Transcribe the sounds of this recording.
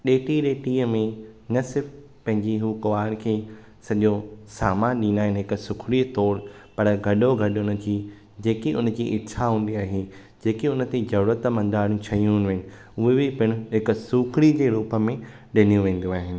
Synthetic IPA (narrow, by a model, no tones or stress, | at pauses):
ɗeːʈiɗeːʈiːəmẽnɐsɪɾf | pɐ̃ɦɪ̃ɲd͡ʑiɦukʊʋaːɪɽ̃kʰeː | sɐʄosaːmaːnɗĩːnaːɦɪnɪɦɪksʊkʰɽit̪ɔːɾpɐɾɡʱɐɗoɡʱɐɗʊnə̆d͡ʑiː | d͡ʑeːkiʔʊ̰nə̆d͡ʑiːʔɪtːɕʰaɦũːn̆d̪iaːɦe | d͡ʑeːkiʊnə̆t̪ezɐɾuːɾət̪mɐ̃nd̪aːɽjũt͡ɕʰɐjũnʋenɪ̆ | ʊɦebɪpɪɽ̃ʊ̆ɦɪk̆sʊkʰɽid͡ʑeːɾuːpəmẽ | ɗɪnijũʋẽːn̆d̪uaːɦɪnɪ̆